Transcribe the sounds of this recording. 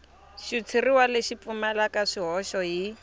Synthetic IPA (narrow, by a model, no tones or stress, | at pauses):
ʃut͡sʰiriwaleʃip̪fumɛlakaʂiɦɔʃɔɦi